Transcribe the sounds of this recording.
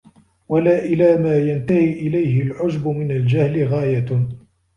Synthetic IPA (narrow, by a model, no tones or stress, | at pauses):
walaːʔɪlaːmaːjant̪ahiːʔɪlajhɪlʕʊd͡ʒbʊmɪnald͡ʒahlɪɣaːja